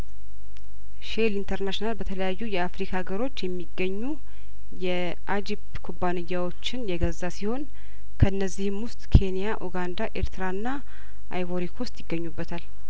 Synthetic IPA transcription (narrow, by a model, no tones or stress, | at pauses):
ʃelint̪ʰəɾnaʃnalbət̪ʰələjajːujɛafɾikʰaɡəɾo̞t͡ʃːjɛmːiɡːəɲːu | jɛ | ʔad͡ʒib | kʰubanɨɲːawo̞t͡ʃːɪnjɛɡəzːasiho̞n | kʰəɨnːəzːihɨmwʊst̪ʼkʰe̞nijaʔoɡand̪aʔe̞̰ɾt̪ʰɨɾaɨnːa | ʔa̰jβoɾikʰo̞st̪jɪɡːəɲːubːət̪ʰal